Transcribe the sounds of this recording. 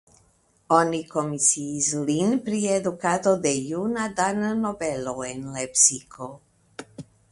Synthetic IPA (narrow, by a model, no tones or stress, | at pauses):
oniko̞misiːslinpɾied̪ukat̪o̞d̪e̞junad̪annobeloenlepsikʰo